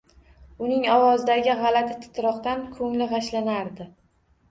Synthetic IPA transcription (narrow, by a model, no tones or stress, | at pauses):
ʊnɪŋɒwɒzɪd̪aɡʲɪʁɑlat̪ʰɪt̪ʰɪ̥t̪ʰɾɒqt̪ankʰɵŋlɪʁaʃlanaɾd̪ɪ